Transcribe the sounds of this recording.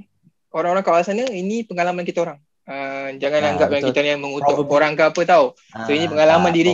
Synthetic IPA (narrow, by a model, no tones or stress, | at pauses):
oɾaŋoɾaŋkawasanəinĩpəŋalamankit̪aoɾaŋ | əd͡ʒaŋanaŋɡap̚aakit̪ajaŋmə̃ŋut̪ʊʔoɾaŋkaapət̪au | soinĩpəŋalamandiɾi